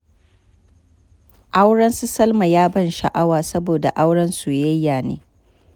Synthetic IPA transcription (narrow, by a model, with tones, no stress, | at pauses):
ʔa˦wɽɐ˦nsu˦sɐ˦lma˨jaː˦bɐ˦˨nʃa̰˨ʔa˦waː˨sɐ˦boː˨da̰˨ʔa˦wɽɐ˦nsu˨jɐ˦jːaː˨nḛː˦